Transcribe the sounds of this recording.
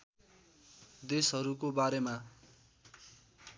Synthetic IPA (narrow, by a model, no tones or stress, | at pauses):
d̪esɦʌɾukobaɾema